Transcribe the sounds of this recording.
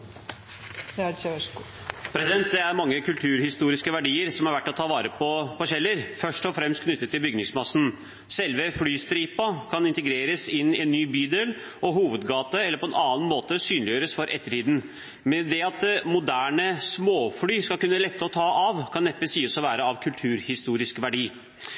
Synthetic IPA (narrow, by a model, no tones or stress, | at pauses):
pʰɾɛsɪd̪ɛnt̪d̪ɛæɾmɑŋːəkʉlt̪ʰʉːɾhɪst̪uːɾɪskəʋæɖiːəɾsɔmhɑɾʋæʈːɔt̪ʰɑːʋɑːɾəpʰɔpɔɕɛlːəɾfœʂʈɔfɾɛmst̪kʰnʏt̪ːət̪ːɪlbʏɡnɪŋsmɑsn̩ | sɛlʋəflyːst̪ɾiːpɑkʰɑnɪnt̪əɡɾeːɾəsɪnːɪɛnːyːbyːd̪eːl | ɔɦuːʋəd̪ɡɑːt̪əɛlːəɾpʰɔɛnɑːnmoːt̪əsyːnlɪjøːɾəsfɔɾʔɛ̰t̪ːəʈiːd̪n̩ | mɛd̪ɛɑt̪mʊd̪æːɳəsmoːflyːskɑlkʉnːəlɛt̪ːəɔt̪ʰɑːʔɑʋkʰɑnːɛpːəsiːsɔʋæːɾəɑʋkʰʉlt̪ʰʉːɾhɪst̪uːɾɪskʋæɖiː